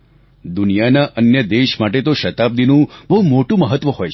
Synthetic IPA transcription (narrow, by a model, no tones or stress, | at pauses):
d̪ʊnijanaʔənjəd̪eʃmaʈet̪oʃət̪ab̚d̪inũbəɦumoʈũməɦət̪ːʋəɦojt͡ʃʰ